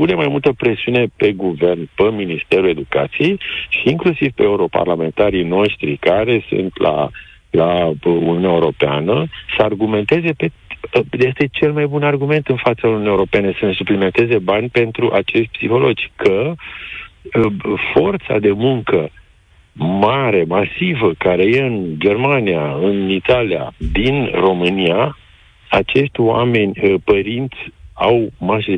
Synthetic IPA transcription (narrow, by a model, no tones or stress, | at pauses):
une̞majmult̪əpɾe̞siune̞pe̞ɡuve̞rnpəminist̪e̞ɾule̞d̪uka̰t̪sije̞jʃiːŋklusivpe̞ːuɾo̞pa̰rlame̞nt̪aɾijno̞ʃt̪ɾikaɾe̞sṵnt̪la̰ | launiuneaeuɾo̞pea̰nəsəarɡume̞nt̪e̞ze̞pejest̪e̞t͡ʃe̞lmajbunarɡume̞nt̪ɨnfat̪saununijewɾo̞peene̞səne̞suplime̞nt̪e̞ze̞banʲpe̞nt̪ɾuʔat͡ʃe̞ʃt̪ʲpsḭxo̞lo̞d͡ʒʲkʰə | fo̞rt̪sa̰d̪e̞muŋkə | maɾe̞masivəkaɾe̞jeɨnd͡ʒe̞rmaniaɨnit̪alia̰d̪inro̞mɨnija | at͡ʃe̞ʃt̪ʲwa̰me̞nʲəpəɾint̪sʲawmaʒe